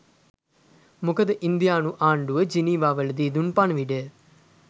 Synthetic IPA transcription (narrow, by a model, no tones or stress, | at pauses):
mukəd̪əʔind̪jaːnuʔaːɳɖuəd͡ʒiniːʋaːʋəld̪iːd̪unpaɳʋiɖə